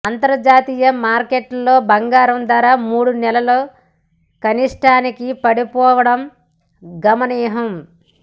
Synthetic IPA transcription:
ant̪ɐɾd͡ʒaːt̪iːjɐmaːɾkeːʈlo̞ːbɐŋɡaːɾɐmd̪aːɾaːmuːɽunɛlɐlo̞ː | kɐniʂʈaːnikipɐɽipɔːʋɐɽɐm | ɡɐmɐniːɦɐm

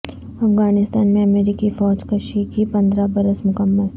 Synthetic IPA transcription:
ɐfɡaːnɪst̪aːnmẽɐmeːɾiːkifɔːd͡ʒkɐʃikipɐ̃nd̪ɾabɐɾəsmʊkəmːəl

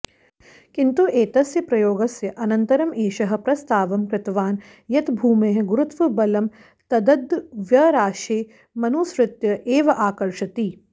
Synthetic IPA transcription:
kint̪uʔeːt̪ɐsjɐpɾɐjoːɡɐsjɐʔɐnɐnt̪ɐɾɐmeːʃɐɦɐ̆pɾɐst̪aːʋɐmkɾɪt̪ʋaːn | jɐt̪bʱuːmeːɦɐɡuɾut̪ʋɐbɐlɐm | t̪ɐd̪ɐd̪ʋjɐɾaːʃeː | mɐnuːsɾɪt̪jɐʔeːʋɐʔaːkɐɾʂɐt̪iː

